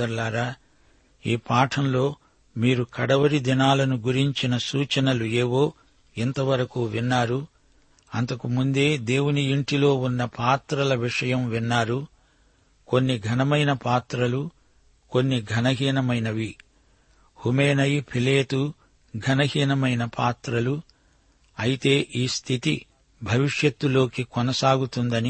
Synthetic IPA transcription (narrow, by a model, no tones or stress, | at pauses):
ɐɾlaːɾaː | iːpaːʈʰɐmlo̞ː | miːɾukɐɽɐʋɐɾid̪inaːlɐnuɡuɾiɲt͡ʃinɐsuːt͡ʃɐnɐlueːʋo̞ː | ɛnt̪ɐʋɐɾɐkuːʋinːaːɾu | ɐnt̪ɐkumund̪e̞ːd̪e̞ːwuniiɳʈilo̞ːunːɐpaːt̪ɾɐlɐʋiʂɐjɐmʋinːaːɾu | ko̞nːiɡʱɐnɐmɐjnɐpaːt̪ɾɐlu | konːiɡʱɐnɐɡiːnɐmɐjnɐʋi | humeːnɐjpʰileːt̪u | ɡʱɐnɐɡiːnɐmɐjnɐpʰaːt̪ɾɐlu | ɐjit̪e̞ːʔiːst̪ʰit̪i | bʱɐʋiʂjɐt̪ːulo̞ːkikɔnɐsaːɡut̪und̪ɐni